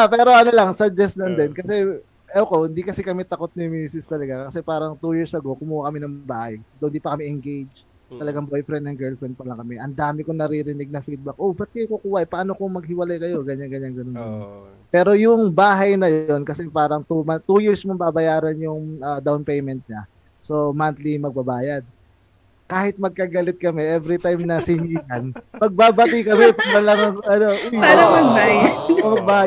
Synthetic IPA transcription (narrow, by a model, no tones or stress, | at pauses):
apɛːɾo̞ʔɐno̞lɐŋsɐd͡ʒɛslɐnd̪ɛnkɐsɛ | ʔokohɪnd̪ikɐsɛkɐmɛt̪ɐko̞t̪̚nɪmiːsɪst̪ɐlɐɡakɐsɛpaːɾɐŋt̪ujiɹsʔɐɡo̞kʊmuːhakɐmɛnɐŋbaːhɐjd̪ond̪iːpɐkɐmɛʔɛŋɡejd͡ʒ | t̪ɐlɐɡaŋbojfɾɛnd̪ɐŋɡɛɹlfɾɛnd̪̚pɐlɐŋkɐmɛʔɐnd̪aːmɪkonɐɾiɾɪnɪɡ̚nɐfid̪̚bɐk̚ʔobɐt̪̚kɐjokʊkuːhaʔpɐʔaːno̞komɐɡ̚hɪwɐlajkɐjo̞ɡɐɲːaŋɡɐɲanɡɐnonan | pɛːɾo̞jʊŋbaːɦɐjnɐjo̞nkɐsɛpaːɾɐŋt̪umɐt̪ujɪɹsmobabɐjaːɾɐnjʊŋɐːd̪awnpejmɛnt̪̚ɲɐ | so̞mant̪limɐɡ̚bɐbaːjɐd̪̚ | kaːhɪt̪̚mɐɡ̚kaɡɐlɪt̪̚kɐmɛʔɛvɾit̪ajmnɐsɪniːlɐnmɐɡ̚baːbɐt̪ikɐmɛpɐɡbɐlɐŋɐŋɐnoʔʊjaɐɐɡajmɐɡ̚baː